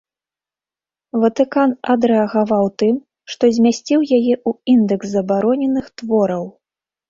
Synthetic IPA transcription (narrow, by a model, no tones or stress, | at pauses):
vɐt̪ɨkanɐd̪ɾɛɐɣavawt̪ɨm | ʂt̪ɔzʲmʲasʲt͡sʲiwjajɛʔuind̪ɛkzzːɐbaɾɔnʲɛnɨxt̪vɔɾɐw